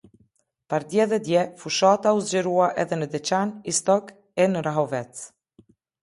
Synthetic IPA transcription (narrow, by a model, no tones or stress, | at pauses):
paɾd̪jɛðɛd̪jɛfuʃat̪auzd͡ʑɛɾuaʔɛðɛnəd̪ɛt͡ɕanist̪ɔk | ɛnəɾaɦɔvɛt͡s